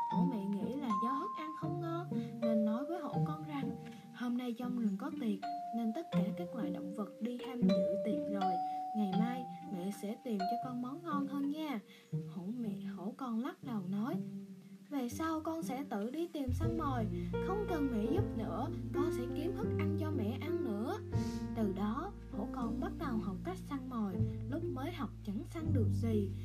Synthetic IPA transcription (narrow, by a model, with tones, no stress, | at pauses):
ʔmɛ̰˧˨ŋḭ˧˥laː˨˩zɔ˨˦hə˦˥t̚ʔa˧nxə˧wŋ͡mŋɔ˧ne˧nːɔ˨˦jvəː˨˦jɦo̰˧˥kɔ˧nza˨˧˩ŋ | ho˧mna˧jt͡ɕɔ˧wŋ͡mŋɨ˨˩əŋkɔ˨˦t̪i˨˩ət̚ne˧nt̪ə˦˥t̚kaː˧˩kaː˦˥k̚lwa̰ː˧˨jɗə̰˧˨wŋ͡mvə˨˩t̚ɗi˧t̪ʰɛ˧m˨˩ɨ̰˧˨t̪i˨˩ət̚zo˨˩jŋa˨˩jmaː˧jmɛ̰˧˨sɛ̰˧˥t̪i˨˩mt͡ɕɔ˧kɔ˧nmɔ˨˦wnŋɔ˧nhəː˧nɲaː˧ | ho̰˧˥mɛ̰˧˨ho̰˧˥kɔ˧nla˦˥t̚lə˨˩wnɔ˨˦jve˨˩sa˧wkɔ˧nsɛ̰˧˥t̪ɨ̰˧˨ɗi˧t̪i˨˩msa˧ŋmo˨˩jxə˧wŋ͡mkə˨˩nŋḭ˧˩zʊ˦˥t̚nɨ̰˧˥əkɔ˧nsɛ̰˧˥ki˨˦əmt̪ɨ˦˥k̚ʔa˧nt͡ɕɔ˧mɛ̰˧˨ʔa˧nːɨ̰˧˥ət̪ɨ˨˩ɗɔ˨˦ | ho̰˧˥kɔ˧nɓə˦˥t̚ɗə˨˩wha˨˩wk͡p̚ka˦˥jk̟̚sa˧ŋmo˨˩jlʊ˦˥k͡p̚məː˨˦jɦa˨˩wk͡p̚t͡ɕə˧˥nsa˧ŋɗɨ˨˩ək̚zi˨˩